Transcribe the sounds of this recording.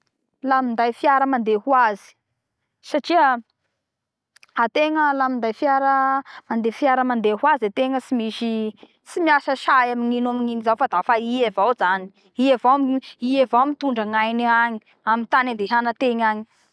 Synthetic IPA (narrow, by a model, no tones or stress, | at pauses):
lamind̪ajfiaɾəmand̪ehuazi̥ | saʈ͡ʂiə | at̪eŋəlamind̪ajfiaɾəmand̪efiaɾəmand̪eɦwaziet̪eŋəsimiʃi | simiasəʃajamiŋinamiŋinizawfad̪afaievawzani̥ | ievawamiievawmit̪uɳɖ͡ʐəŋajniaɲi̥ | amint̪anand̪eɦanət̪eɲaɲi̥